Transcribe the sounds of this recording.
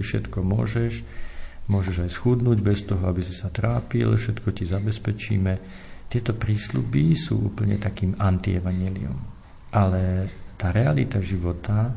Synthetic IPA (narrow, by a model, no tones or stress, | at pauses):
ifʃɛ̰t̪kɔmʊɔ̰ʒɛʃmʊɔʒɛʒajsxud̪nuːɟbɛst̪ɔɦɔabisisat̪ɾaːpḭlfʃɛt̪kɔcizabɛspɛt͡ʃḭːmɛ | t̪ɪɛt̪ɔpɾiːslubisṵːʔṵːpl̩ɲɛ̰t̪akiːmant̪iɛʋaɲɪɛlḭṵm | ʔalɛt̪aːɾɛalit̪aʒiʋɔt̪a